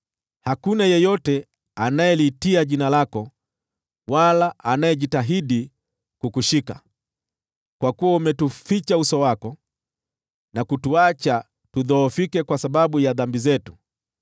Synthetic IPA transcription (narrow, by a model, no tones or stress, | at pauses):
hakunajɛjɔtɛ | anajɛlitiaʄinalakɔ | walaʔanajɛʄitaɦiɗi | kukuʃika̰ | kwakuwaumɛtufit͡ʃausɔwakɔ | nakutuat͡ʃa | tuðɔːfikɛkwasaɓaɓujaðambizɛtu̥